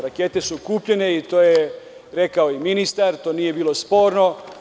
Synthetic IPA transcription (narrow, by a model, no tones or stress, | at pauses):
ɾake̞t̪e̞sukuːpʎe̞ne̞it̪o̞ːje | ɾe̞kaoiminist̪aɾt̪o̞ːnije̞biːlˠospo̞ːɾno̞